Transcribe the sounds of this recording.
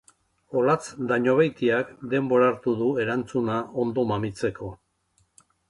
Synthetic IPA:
o̞lat͡sd̪aɲo̞βejt̪iakd̪e̞mbo̞ɾaɾt̪uðue̞ɾant͡sunao̞nd̪o̞mamit͡se̞ko̞

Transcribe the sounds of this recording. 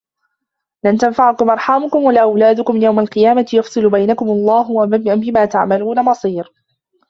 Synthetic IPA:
lant̪anfaʕʊkʊmʔɑɾˤħaːmʊkʊmwalaʔawlaːd̪ʊkʊmjawmalqɨjaːmajɑfsˤɨlʊbajnakʊmɑlˤːɑːɦʊabɪmaːt̪aʕmaluːnamɑsˤiːɾ

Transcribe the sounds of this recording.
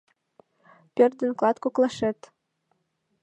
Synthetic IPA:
pʲørd̪ə̆nklˠɑt̪koklˠɑʃĕt̪

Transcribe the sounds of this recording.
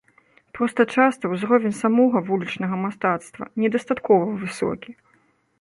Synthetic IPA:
pɾɔst̪ɐt͡ʂast̪ɐwzɾɔvʲɛnʲsamɔɣɐvulʲit͡ʂnɐɣɐmast̪at̪st̪vɐ̰nʲɛd̪ɐst̪at̪kɔvɐvɨsɔ̰kʲi

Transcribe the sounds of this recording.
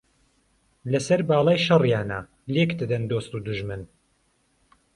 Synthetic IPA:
lɐsɐɾbaːlˠɑːjʃɐrjaːna̰ | lekd̪ɨd̪ɐnd̪oːst̪uːd̪uʒmɨn

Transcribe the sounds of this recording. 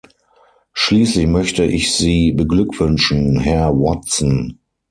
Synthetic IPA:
ʃliːslɪçmœçtəʔɪçz̥iːbəɡlʏkv̥ʏnʃn̩ɦɛɐwɔtt͡sn̩

